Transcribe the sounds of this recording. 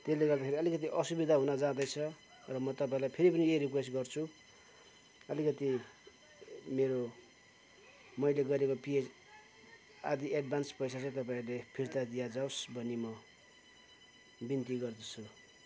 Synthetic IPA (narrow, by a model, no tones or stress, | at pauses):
t̪eleɡʌrd̪akʰeɾiʌlikʌt̪̬iʔʌsubid̪ʱaɦunʌd͡zãd̪ʌjt͡sʰʌ | rʌmʌt̪ʌpãĩlajpʰeɾipʌnieɾikwesʈɡʌrt͡sʰu | ʌlikʌt̪i | meɾo | mʌjleɡʌɾekopied͡z | ad̪iʔeɖbʱanspʌjsat͡sãĩt̪ʌpaĩrlepʰirt̪ad̪ijad͡zawsbʱʌnːemʌ | bint̪iɡʌrd̪ʌt͡sʰu